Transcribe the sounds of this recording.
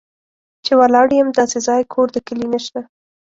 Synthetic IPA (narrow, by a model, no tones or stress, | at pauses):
t͡ʃewalɑɽjəmd̪ɑsezɑjkʰoɾd̪əkəlinəʃt̪a